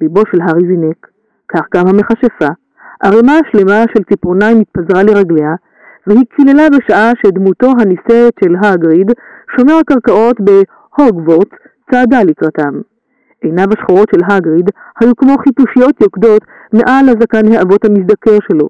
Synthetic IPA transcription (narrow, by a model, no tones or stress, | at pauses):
libo̞ʃelɦaʁizinekː | aχɡamhame̞χaʃefa | ʔaʁemaaʃle̞maʃe̞lt͡sipoʁnajmit̪̚pazʁaleʁaɡle̞a | veɦikʰilelabe̞ʃaʔaʃed̪muto̞ɦanisetʃe̞lɦaɡʁidʃo̞meʁakaʁkaʔo̞t̪be̞ | ho̞ɡvot | t͡saːdalikʁatam | ʔejnabaʃχoʁo̞tʃe̞lɦaɡʁid̪hajukmo̞χipuʃijo̞t̪jo̞kdo̞t̪ | me̞ʔalhazakanheʔavo̞thamis̬d̪ake̞ʁʃe̞lo̞̰